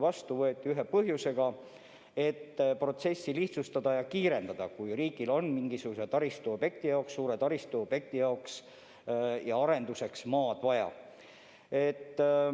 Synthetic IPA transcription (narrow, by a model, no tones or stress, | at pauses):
vɑst̪uvɤ̞et̪ʲːˑiyɦe̞pɤɦjuse̞ɡ̥ɑ | e̞t̪ːpro̞t̪se̞sːiliht̪sust̪ɑd̪̥ɑjɑkiːɾe̞nd̪ɑd̪̥ɑkujriːɡ̥ilo̞nmiŋɡisuɡ̥uset̪ɑɾist̪uo̞b̥je̞k̚t̪ijɑoksːuːɾet̪ɑɾist̪uob̥je̞k̚t̪ijɑoks | jɑɑɾe̞nd̪use̞ksmɑːd̪̥vɑjɑ̰ | e̞t̪ː